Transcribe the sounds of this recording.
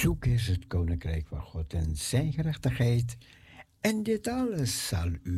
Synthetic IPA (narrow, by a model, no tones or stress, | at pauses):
z̥ukɪs̬ɦətkownɪŋkrɛjkfɑ̰nχɔtɛnz̥ɛjnχəɾɛχtəχɦɛjt | ɛndɪtɑləsːɑlˠy